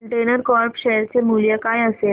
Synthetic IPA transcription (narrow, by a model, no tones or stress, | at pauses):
ɳʈenəɾkɔɾpɕɛɦəɾt͡ɕemuljəkajəse